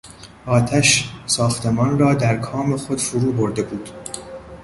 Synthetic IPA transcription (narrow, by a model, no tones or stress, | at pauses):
ʔɒːt̪ʰæʃsɒːxt̪ʰe̞mɒːnrɒːd̪æɾkʰɒːmexo̞d̪̥fuɾuːboɾd̪e̞buːd̪̥